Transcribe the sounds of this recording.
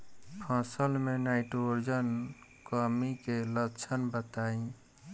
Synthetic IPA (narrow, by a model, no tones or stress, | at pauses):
pʰãsəlmenaɪʈoɾd͡ʒən | kəmikelət͡ʃʰənbət̪aĩ